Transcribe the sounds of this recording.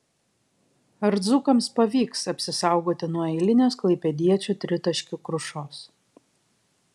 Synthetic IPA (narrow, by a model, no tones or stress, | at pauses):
ɐɾd̪zukɐmspɐʋʲiːksɐpʲsʲɪsɑˑʊɡoːt̪ʲɪnuɔɛɪlʲɪnʲoːsklˠɐɪpʲɛd̪ʲiɛt͡ʃʲut̪ʲɾʲɪt̪ɐʃʲkʲukɾʊʃoːs